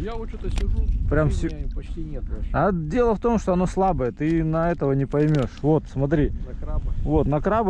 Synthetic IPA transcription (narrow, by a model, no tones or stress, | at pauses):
jt̪sʲɪpɾʲamfsʲ | ɐdʲe̞lˠəft̪o̞mʂt̪oɐno̞slˠabəjət̪ɨnɐɛt̪əvənʲɪpɐjmʲo̞ʂvo̞t̪smɐt̪ɾʲi | vo̞t̪nɐkɾab